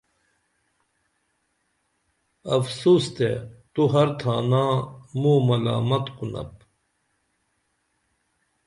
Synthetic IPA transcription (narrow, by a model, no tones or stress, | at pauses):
ɐfsuːst̪et̪uɦɐɾt̪ʰaːnãːmuːmɐla̰ːmɐt̪qunɐ̰p̚